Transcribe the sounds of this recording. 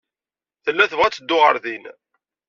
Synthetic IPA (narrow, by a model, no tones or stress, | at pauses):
θəlːæθəvʁæt͡sːəd̪ːʊʁə̰ɾðin